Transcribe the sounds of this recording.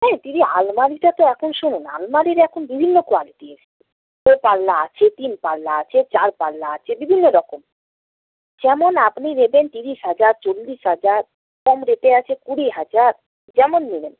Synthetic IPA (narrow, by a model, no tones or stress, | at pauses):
nɛt̪inialmaɾiʈat̪oɛkʰonʃununa̰lmaɾiɾaɛkʰonbibʱinːokoaliʈiese | opalːaa̰t͡ɕʰet̪inpalːaat͡ɕʰet͡ɕaɾpalːaat͡ɕʰebibʱinːoɾɔkom | d͡ʑɛmonapniɾebent̪iɾiʃɦad͡ʑaɾt͡ɕolːiʃɦad͡ʑaɾ | kɔmɾeʈeat͡ɕʰekuɽiɦad͡ʑaɾ | d͡ʑɛmonminem